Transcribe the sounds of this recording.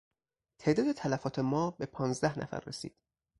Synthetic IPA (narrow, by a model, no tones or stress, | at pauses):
t̪ʰe̞ːʔd̪ɒːd̪et̪ʰælæfɒːt̪ʰe̞mɒːbe̞pʰɒːnzd̪æhnæ̰fæ̰ɾːesḭːd̪̥